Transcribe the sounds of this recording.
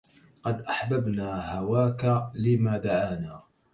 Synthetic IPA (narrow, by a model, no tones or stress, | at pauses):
qɑd̪ʔaħbabnaːhawaːkalɪmaːd̪aʕaːnaː